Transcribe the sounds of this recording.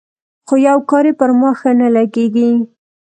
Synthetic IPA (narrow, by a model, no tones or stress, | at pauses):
xojawkɑɾepəɾmɑxanalaɡeɡi